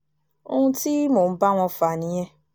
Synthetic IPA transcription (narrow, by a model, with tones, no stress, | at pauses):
o̰˧hũ˧ti˦moː˨˦ba˦w̃ɔ̃˧fa˨nĩ˨˦j̃ɛ̃˦